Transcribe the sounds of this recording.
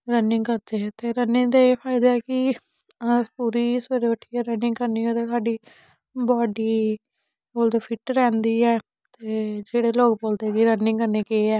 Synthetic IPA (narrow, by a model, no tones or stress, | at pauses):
ɾənɪŋɡkəɾd̪eːt̪eːɾənɪŋd̪eːeːpʰaːɪd̪aːɛkɪ | puːɾiːseɾoʊʈʰːiːɛːɾənɪŋɡkəɾniːoːt̪eːsaːɖiː | bɔːɖiː | boːld̪eːpʰɪʈɾɛ̃ːnd̪iːɛː | t̪eːd͡ʒeːɽeːloːkboːld̪eːkɪɾənːɪ̃ŋɡkəɾneːkeːɛː